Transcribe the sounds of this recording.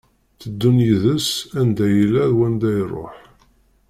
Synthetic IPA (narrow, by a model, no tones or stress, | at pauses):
θəd̪ːunjiðəsænd̪æjəlæðwænd̪æjrˤo̰ħ